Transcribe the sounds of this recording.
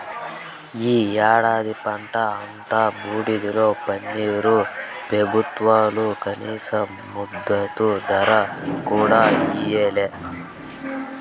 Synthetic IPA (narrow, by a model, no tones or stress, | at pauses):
iːjaːɽaːd̪ipɐɳʈɐːnt̪abuːɽid̪iloːpɐnːiɾubebʱut̪ʋaːlukɐniːsɐ | mud̪ːɐt̪ud̪ʱɐɾɐkuːɽaːiːjeːle